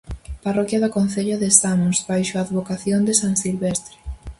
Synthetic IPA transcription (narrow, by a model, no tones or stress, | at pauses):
parɔkjaðakon̟θeʎoðesamozbajʃoaðβokaθjond̪esaŋsilβest̪ɾe